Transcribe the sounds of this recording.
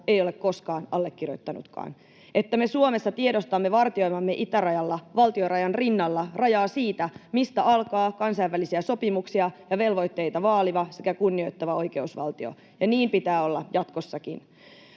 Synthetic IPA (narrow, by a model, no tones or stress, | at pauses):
e̞jo̞lekko̞skɑːnɑlːekːiro̰t̪ːɑnṵt̪kɑ̰ːn | et̪ːæme̞suome̞sːɑt̪ie̞ɾost̪ɑmːe̞ʋɑrt̪io̞jmɑmːeʔit̪ærɑjɑlːɑʋɑlt̪io̞ɾrɑjɑnrinːɑlːɑrɑjɑːsiːt̪æmist̪æʔɑlkɑːkɑnsɑjʋːælisiæso̞pimuksiɑjɑʋe̞lʋo̞jt̪ːe̞jt̪ɑʋɑːliʋɑsekækunːio̞jt̪ːɑʋɑo̞jke̞usʋɑ̰lt̪io̞̰ | jɑniːmpit̪æːo̞lːɑjɑt̪ko̞sːɑkḭn